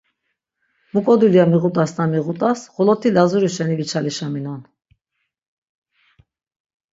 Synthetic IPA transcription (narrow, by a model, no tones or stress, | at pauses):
mukʼɔd̪ulijamiʁut̪ʼasnamiʁut̪ʼasχɔlɔt̪ʰilazuɾiʃɛnivit͡ʃʰaliʃaminɔn